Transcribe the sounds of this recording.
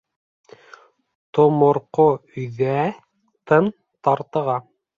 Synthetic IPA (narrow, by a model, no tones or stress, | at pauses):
t̪omŏɾqoɵ̆jðæ | t̪ɤn | t̪ɑɾt̪ɤ̆ʁɑ